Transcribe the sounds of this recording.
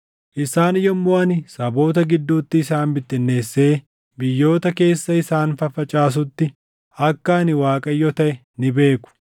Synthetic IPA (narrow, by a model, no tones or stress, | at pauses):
ʔɪsaːnɪjɔmːoːɐnɪsɐbo̞ːt̪ɐɡɪd̪ːuːt̪ːɪːsaːnbɪt̪ːɪnːe̞ːsːe̞ː | bɪjːo̞ːt̪ɐke̞ːsːɐɪsaːnfɐfɐt͡ʃʼaːs̬ʊt̪ːɪ | ɐkːɐɐnɪwaːkʼɐjːɔt̪ɐʔɛ | nɪbe̞ːkʊ̥